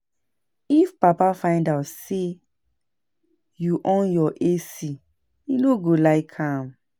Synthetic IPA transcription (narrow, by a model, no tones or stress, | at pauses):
ifpapafãɪ̃ndaʊtse | juʔɔ̃njɔʔesi | inoɡolaɪkʰãm